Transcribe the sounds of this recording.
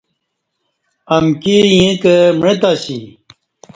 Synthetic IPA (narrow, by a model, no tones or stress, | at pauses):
ɐmkejẽkəmɻẽt̪aːɕi